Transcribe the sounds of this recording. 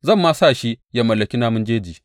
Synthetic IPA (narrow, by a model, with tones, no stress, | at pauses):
zɐ˦˨mːaː˦saː˦˨ʃi˦ja˦mɐ˨lːɐ˨kʲi˦naː˦mʊ˦nd͡ʒeː˦d͡ʒiː˨